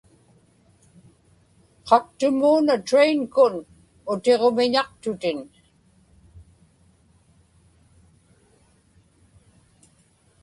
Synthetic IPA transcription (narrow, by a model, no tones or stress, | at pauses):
qʰɑk̚t̪ʊmuːnat̪ɾejŋkʊn | ʊt̪e̞ʁomɪɲɑqt̪ʊt̪ɪn